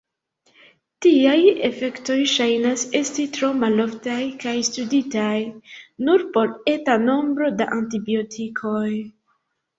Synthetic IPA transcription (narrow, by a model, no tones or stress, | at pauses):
tiaje̞fe̞kto̞jʃajnase̞stitɾo̞malo̞ftajkajstuditajnuɾpo̞ɾe̞tano̞mbɾo̞da̰ʔantibio̞tʰikʰo̞j